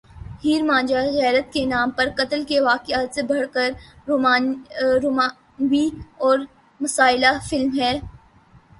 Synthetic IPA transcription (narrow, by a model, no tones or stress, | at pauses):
hiːɾmãːd͡ʒaɣɛːɾət̪̚kenaːmpɐɾkɐt̪əlkeʋaːkɪaːt̪sebʱɐɽkəɾ | maːoːma | nwiɔːɾ | mɐsaːɪlafɪlmɦɛː